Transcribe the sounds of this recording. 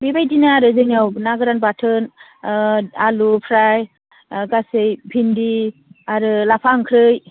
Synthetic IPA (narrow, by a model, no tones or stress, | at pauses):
bibajdinaːɾɯzɯŋawnaɡɯɾanbatʰɯn | alupʰɾaj | ɡasɯjbʱindiaɾɯlapʰaŋkʰɾɯj